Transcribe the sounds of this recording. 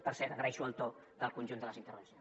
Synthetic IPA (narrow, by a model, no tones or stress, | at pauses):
pəɾsɛɾt̪əɣɾəɛʃuəlt̪o | d̪əlˠkunʲʒund̪ələzint̪əɾrβəns